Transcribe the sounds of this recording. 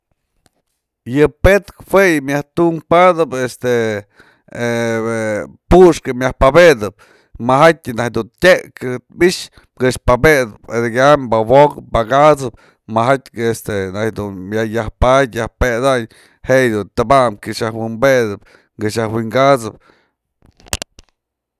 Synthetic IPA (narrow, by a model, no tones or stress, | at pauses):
jɨpet̪khwejɨmjaht̪uŋpad̪ɨpest̪e | puʂkɨmjahpabed̪ɨp̚ | mahat̪ʲɨnad̪unt̪ʲekɨbiʂ | ɡɨʂpabed̪ɨped̪eɡambawokɨbaɡat͡sɨp̚ | maɦat̪ʲest̪enajd̪unmjajahpat̪ʲjahped̪aɲ | hejd̪unt̪ɨbamkɨʂahwimbed̪ɨp̚ | ɡɨʃahwiŋɡat͡sɨp̚